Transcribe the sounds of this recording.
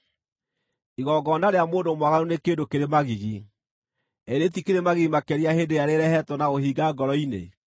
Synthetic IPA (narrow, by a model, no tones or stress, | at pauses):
iɣɔɡɔːnaɾeamoːndomwaɣaɾonekeːndokeɾemaɣiɣi | ɛɾetikeɾemaɣiɣimakɛɾiahedeaɾeɾɛhɛtwɔnaohiɡaɡɔɾɔinḛ